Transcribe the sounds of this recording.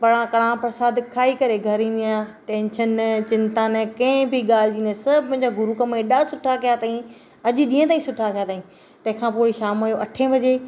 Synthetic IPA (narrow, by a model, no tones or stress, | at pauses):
pɐɽãkɐɽãpɾɐsaːd̪kʰaːikɐɾeɡʱɐɾĩːn̆d̪ijãːʈɛ̃ːnʃənt͡ɕɪ̃nt̪ãːnkɐ̃ɪ̃biɠaːl̤ɪd͡ʑĩːnesɐbmʊ̃ɦɪ̃ɲd͡ʑaɡʊɾukɐmẽɗaːsʊʈʰakijat̪aːĩ | ɐʄɗĩːə̃t̪aːĩsʊʈʰakʰijat̪aːɦĩ | t̪ɐ̃ɦɪ̃kʰãːpoːɪɽiʃaːmajoʔɐʈʰẽbʱɐd͡ʑeː